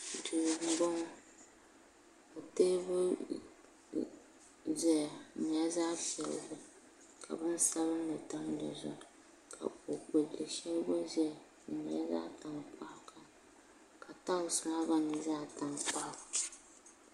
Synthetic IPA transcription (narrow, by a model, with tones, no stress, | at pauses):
du˨ɡ̩˨bɔ˦ŋɔ˦ | ka˨teː˦bʊ˦ | zɛ˨mi˨a˦zaː˦pi˨ɛ˨l̰zʊ˦ | ka̰˨bɨ˦n˦sa˦lɨ˦nɨ˨ta˦m˦dɛ̰˨zʊ̰˦˨ | kʰa̰˨o˨k͡po˨dɨ˨ʃɛ˦lbʊ˦zɛ˨ | mi˨a̰˦za̰ː˦ta˨ŋ˨k͡pa˦hka˨ | kʰa˨ta˦ʊ˨sʊ˨na˦ba˦nɨ˨zaː˦ta˨ŋ˨k͡pa˦h